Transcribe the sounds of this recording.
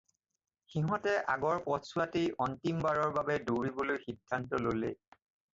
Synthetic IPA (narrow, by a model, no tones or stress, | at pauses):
xiɦɔtɛʔaɡɔɹpɔtsʊatiʔɔntimbaɹɔɹbabɛdoɹibolojxidʱːantɔlolḛ